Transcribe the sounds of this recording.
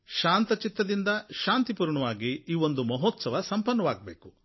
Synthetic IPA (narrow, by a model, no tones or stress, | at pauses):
ʃaːnt̪ɐt͡ʃit̪ːɐd̪ind̪ɐʃaːnt̪ipuːɾɳɐʋaːɡiiːʋo̞nd̪umɐɦɔːt̪sɐʋɐsɐmpɐnːɐʋaːɡɐbḛːku